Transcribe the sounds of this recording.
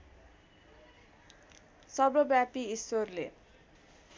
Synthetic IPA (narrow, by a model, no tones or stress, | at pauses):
sʌbɾobjapiisworle